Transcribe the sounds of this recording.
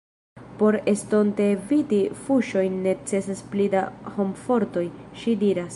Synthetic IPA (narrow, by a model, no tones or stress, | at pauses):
po̞ɾe̞sto̞nte̞vidifuʃo̞jnːe̞t͡se̞sasplidaho̞mfo̞ɾto̞jʃidiɾas